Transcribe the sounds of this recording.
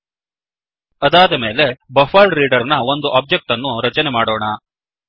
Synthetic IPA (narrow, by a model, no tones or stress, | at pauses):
ɐd̪aːd̪ɐme̞ːle̞bɐfaːlɾiːɖɐɾnɐo̞nd̪uʔaːb̚d͡ʒek̚ʈɐnːuɾɐt͡ʃɐnemaːɽoːɳɐ